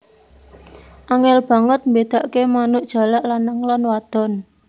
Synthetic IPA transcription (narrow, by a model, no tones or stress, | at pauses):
ʔaŋɛlb̥ä̤ŋət̪̚mbed̪̥a̤ʔkemanʊʔd̥ʒ̥a̤laʔlanːəŋlanwad̪̥ɔ̤n